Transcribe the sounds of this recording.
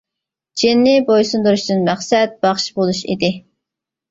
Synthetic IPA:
d͡ʒinːɪbojsund̪uɾuʃd̪ɨnmæχsɛt̪̚b̥ɑχʃbolˠuʃḭd̪ɪ

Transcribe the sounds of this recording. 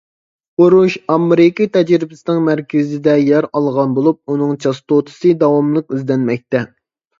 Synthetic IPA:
oɾuʃɑmɾɪkʲət̪ʰɛd͡ʒɾɪbɪsɪnɪŋmæɾkʲɪzɪd̪ɛjɛɾɑlˠʁɑnbolˠup̚unɨŋt͡ʃʰɑst̪ot̪ʰɨ̥sɨd̪ɑwɑmlˠəqyzd̪ɛnmɛk̚ʲt̪ɛ

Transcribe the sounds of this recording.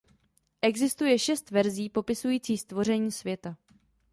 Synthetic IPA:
ʔɛɡzɪst̪ujɛʃɛst̪vɛɾziːpo̞pɪsujiːt͡siːst̪vo̞r̝ɛɲiːsvjɛt̪a

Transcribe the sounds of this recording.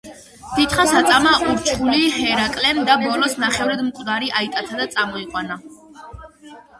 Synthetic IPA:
t̪it̪ʰχasat̪sʼamauɾt͡ʃʰʼχulihɛɾakʼlɛnd̪abɔlɔsnaχɛvɾɛd̪mkʼd̪aɾiʔait̪ʼat̪ʰad̪at̪sʼamɔiqʼwana

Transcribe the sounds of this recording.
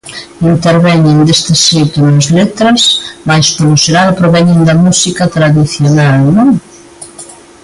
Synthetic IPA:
int̪eɾβɛɲend̪est̪ɪsit̪onɐzlet̪ɾɐsmajspoloseɾaɾpɾoβɛɲend̪ɐmusikɐt̪ɾaðiθjonalnõŋ

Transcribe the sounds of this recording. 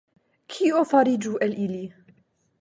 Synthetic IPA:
kʰiːʔofɑɾid͡ʒuʔælʔili

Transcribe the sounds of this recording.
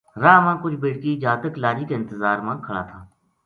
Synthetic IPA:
ɾaːmãːkʊt͡ʃʰbɪːɽkiːd͡ʒaːt̪əklaːɾiːkeɪ̃nt̪əzaːɾmãːkʰəɽa̰ːt̪ʰaː

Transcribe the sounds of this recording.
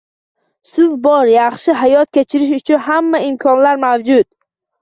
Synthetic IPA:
sʊvbɒɾjɑχʃɪɦajɒt̪̚kʲʰet͡ʃʰɪɾɪʃ̬ʊt͡ʃʰʊnɦamːaɪmkʰɒnlaɾmawd͡ʒʊt̪

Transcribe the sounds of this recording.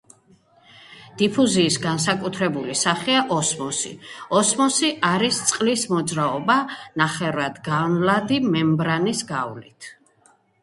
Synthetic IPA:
d̪̥ipʰuziːsɡans̬akʼut̪ʰɾɛbulisaχiaʔɔsmɔsḭɔsmɔsiʔaɾist̪sʼqʼlismɔd̪zɾaɔbanaχɛɾad̪ɡanlad̪imɛmbɾanisɡavlḭt̪ʰ

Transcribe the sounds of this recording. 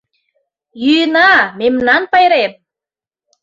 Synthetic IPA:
jyjənɑmemnɑnpɑjɾem

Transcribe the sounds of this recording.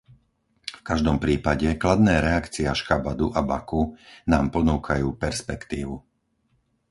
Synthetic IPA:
fkaʒd̪ɔmpɾiːpaɟɛklad̪nɛːɾɛakt͡siaʃkabad̪uʔabakunaːmpɔnuːkʰajuːpɛɾspɛkt̪iːʋu

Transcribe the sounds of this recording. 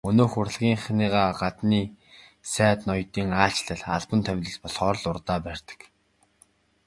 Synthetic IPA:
ɵnoːxʊr̆ɮɣʲiːŋχniːʁaːɢat̪niː | sæːt̪nɔjt̪iːŋaːt͡ɕɮə̆ɮa̰ɮpə̆nt̪ʰæmʲt̪ə̆ɮpɔɮχɔːɾɞ̆ɮʊrt̪aːpærʲt̪ə̥̆k

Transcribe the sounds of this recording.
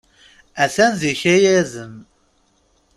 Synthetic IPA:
æθænziçæjæzən

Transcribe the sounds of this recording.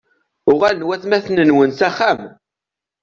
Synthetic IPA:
ʊʁælnwæθmæθnənwənsæχæm

